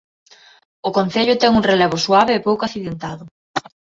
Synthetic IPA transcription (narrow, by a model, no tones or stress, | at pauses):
ʊkon̟θeʎʊt̪ɛŋuŋreleβ̞ʊswaβeːpowkaθiðent̪aðʊ